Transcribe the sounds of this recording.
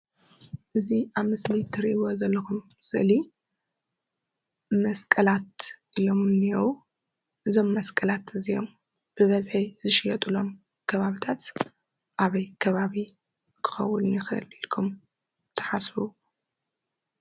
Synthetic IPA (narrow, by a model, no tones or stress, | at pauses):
ʔɨziaβmɨslit̪ʰɨɾʔiwozɐlːɐxumsɨʔli | mɐskʼɐlat̪̚ʔijo̞mɨnːiwu | ʔɨzo̞mːɐskʼɐlat̪ɨzio̞̰m | b̥ɨβɐzħijzɨʃɪjɛt̪ʼulo̞m | kʰɐβaβit̪ʰat̪ | ʔaβɐjkʰɐβaβi | kʰɨ̥xɐ̰wːunjɪxɨ̰lilkʰum | t̪ʰɐ̥ħasfu